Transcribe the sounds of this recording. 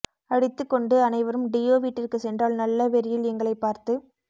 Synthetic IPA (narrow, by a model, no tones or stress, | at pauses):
ɐɽɪt̪ːɯkːɔɳɖɯɐnɐɪʋɐɾɯmɖɪjoːʋiːʈːɪrkɯsɛndraːlnɐlːɐʋɛɾɪjɪlɛŋɡɐɭɐɪpːaːɾt̪ɯ